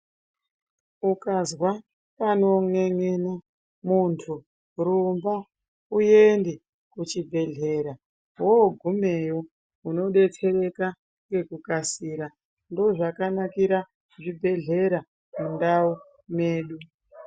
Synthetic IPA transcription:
ukazwa | pano̞ŋe̞ŋena | muntʰu | ɾumba | uje̞nde | kut͡ʃibʱe̞ɮe̞ɾa | ɦoɡʱumejo | uno̞ɗe̞t͡sʰe̞re̞ka | ŋɡe̞kukasiːɾa | ndo̞ʐakanakiɾa | ʐibʱe̞ɮe̞ɾa | mundau | me̞ːɗu

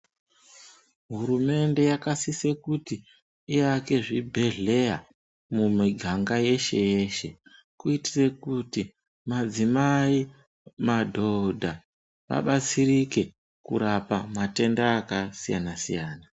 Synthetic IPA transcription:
ɦuɾume̞nde̞jakasise̞kuti | iake̞ʐibʱe̞ɮe̞ja | mumiɡʱaŋɡaje̞ʃe̞̰je̞ʃe̞ | kuiti̥re̞kuti | mad͡zimai | madʱo̞dʱa | ʋa̰ɓat͡sirike̞ | kṵɾapamate̞ndaːkasija̰nasijaːna

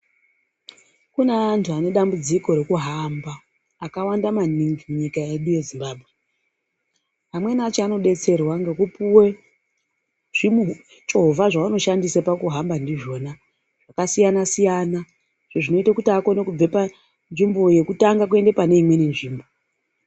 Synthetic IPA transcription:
kuneantʰuane̞ɗambud͡ziko̞ɾe̞kuɦambaː | kawandamaniŋɡimuɲikae̞ɗuje̞zimbaːbʱɣe | ɦamwe̞nat͡ʃeano̞ɗe̞t͡se̞rwaŋɡe̞kupuwe̞ | ʐ̥imu | t͡ʃo̞ɦvaʐaʋano̞ʃandisapakuɦambandiʐo̞ːna | ʐ̥akasijanasijana | ʐ̥eʐino̞itakutiako̞nekub͡vepa | nʐimbo̞je̞kutaŋɡak̬ue̞nde̞pane̞imweninʐiːmbo̞

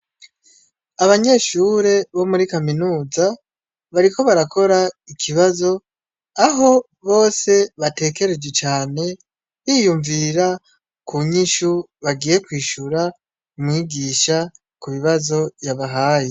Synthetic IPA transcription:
aβaɲe̞ʃuɾe̞βo̞muɾikaminuːza | βaɾiko̞βaɾakʰo̞ɾaikʰiβazo̞ | aɦo̞ | βo̞ːse̞βate̞ːke̞ɾed͡ʒɡe̞t͡ʃaːne̞ | βijuɱviɾa | kuɲiʃu | βaɡiːje̞kwiːʃuɾa | umŋiːɡiːʃa | kuβiβazo̞jaβaɦaːje

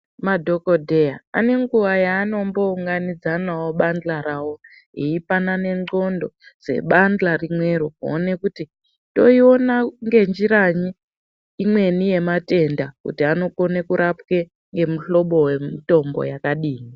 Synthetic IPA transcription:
madʱo̞ko̞dʱejaane̞ŋɡuʋajaːno̞mbo̞uŋɡanid͡zanawo̞ɓanlaɾawo̞ | ɦiipanane̞o̞ndo̞d͡z̥e̞̰ɓandlarimwe̞rukuone̞kuti | to̞io̞naŋɡe̞nd͡ʒiɾaɲiː | mwe̞nije̞mate̞ndakṵtiano̞ko̞nekuɾʔapke̞ | ŋɡe̞muɬo̞ɓowemito̞mbo̰jakaɗiːni

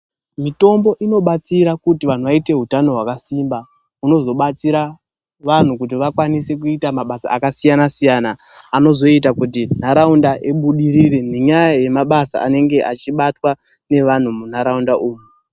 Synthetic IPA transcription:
mito̞mbo̞ʔino̞ɓat͡siɾakutiʋan̤uʋaite̞ɦutano̞ɦwakasimba | uno̞zo̞ɓat͡siɾa | ʋan̤ukut̬iʋakwanise̞kuitamaɓasa̰akasijanasijanaː | no̞zo̞itakut̬in̤aɾaundaʔiɓuɗirire̞neɲajaje̞maɓasa̰ʔa̰ne̞ŋɡe̞ʔat͡ʃiɓatwa | ne̞ʋan̤umun̤aɾaundaʔuːmu

